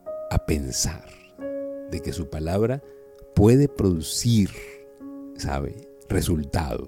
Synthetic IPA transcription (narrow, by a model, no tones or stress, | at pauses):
apensa̰ɾ | d̪e̞ke̞supalaβɾa | pwe̞ðepɾo̞ðusiɾ | sa̰βḛ | result̪a̰ðo̰